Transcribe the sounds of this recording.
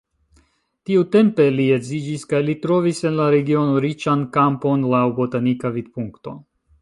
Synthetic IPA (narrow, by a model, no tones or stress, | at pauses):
tiute̞mpe̞liezid͡ʒiskajlitɾo̞vise̞nlaɾe̞ɡio̞no̞ɾit͡ʃankampo̞nlawbo̞tanikavid̚puŋkto̞̰